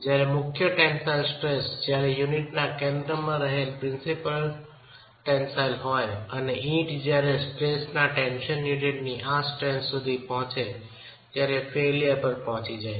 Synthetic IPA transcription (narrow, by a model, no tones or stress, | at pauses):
d͡ʒjaɾemʊkʰjəʈɛnsajlsʈɾesd͡ʒjaɾejuniʈnakɛ̃nd̪ɾəmãɾəɦelpɾɪ̃nsipəl | ʈɛnsajlɦɔjəneʔĩʈd͡ʒjaɾesʈɾesnaʈɛnʃənjuniʈniʔãsʈɾensːud̪ʱipɔɦɔ̃t͡ʃe | t̪jaɾefelijəɾpəɾpɔɦɔ̃t͡ʃid͡ʒae